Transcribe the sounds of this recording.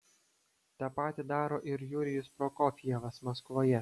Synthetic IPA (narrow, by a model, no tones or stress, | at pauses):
t̪ɑːpɑːt̪ʲid̪ɑːɾoːʔɪɾjuːɾʲɪjʊspɾoːkɔfʲiɛʋɐsmɐskʋoːjɛ